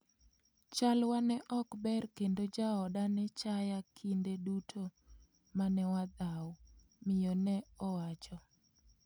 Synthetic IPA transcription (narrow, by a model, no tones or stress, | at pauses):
t͡ʃalwanɛʔɔkbɛrkendod͡ʒaɔdanɛt͡ʃajakʰindedutʰo | manɛwad̪aw | mɪjonɛɔwat͡ʃɔ